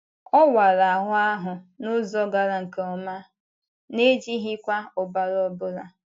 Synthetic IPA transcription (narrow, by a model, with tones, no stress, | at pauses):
ɔ˦wa˨ɾa˨a˨ɦʊ˦a˦ɦʊ˨nʊ˦zɔ˦ɡa˨ɾa˨ŋ̩˨ke˦ɔ˦ma˦ | ne˦d͡ʒi˦ɦɪ˦kʷa˦ʊ˨ba˨ɾɔ˦bʊ˦ɾa˨